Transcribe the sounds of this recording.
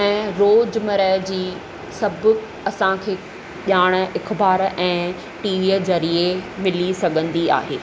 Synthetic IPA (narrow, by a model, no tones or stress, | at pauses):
ɛ̃ːɾoːd͡ʑmɐɾəɦd͡ʑiː | sɐbʱʊ | ɐsãkʰeː | ʄjaːɽ̃ə̆ɪkbaːɾʔɛ̃ː | ʈiːʋiezɐɾiemɪlisɐɡʱə̃nd̪ia̰ːɦeː